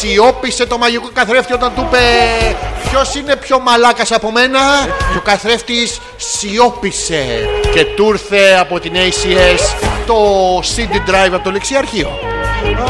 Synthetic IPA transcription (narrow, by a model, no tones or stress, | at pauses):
sio̞pise̞t̪o̞mɐʝikokɐθɾe̞ft̪io̞t̪ɐnt̪upe̞ | pço̞sine̞pço̞mɐlɐkɐsɐpo̞me̞nɐt̪okɐθɾe̞ft̪is | io̞pise̞ce̞t̪uɾθe̞ɐpo̞t̪inejsiest̪o̞sind̪id̪ɾɐjvɐpt̪oleksiɐɾçio̞̰